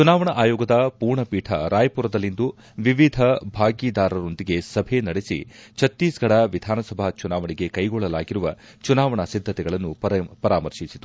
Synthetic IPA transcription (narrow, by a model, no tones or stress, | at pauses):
t͡ʃunaːʋɐɳɐʔaːjoːɡɐd̪ɐpuːɾɳɐpiːʈʰɐ̰ɾaːjɐpuɾɐd̪ɐlːind̪u | ʋiʋid̪ʱɐbʱaːɡiːd̪aːɾɐɾo̞nd̪iɡe̞sɐbʱe̞nɐɽe̞sḭt͡ʃʰɐt̪ːiːsɡɐɽɐʋid̪ʱaːnɐsɐbʱat͡ʃunaːʋɐɳiɡe̞kɐjɡɔɭːɐlaːɡiɾuʋɐ | t͡ʃunaːʋɐɳɐsid̪ʱːɐt̪ɛɡɐɭɐnːupɐɾaːmɐɾʃisid̪u